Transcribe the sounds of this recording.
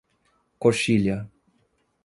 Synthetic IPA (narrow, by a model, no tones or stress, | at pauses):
koʃilja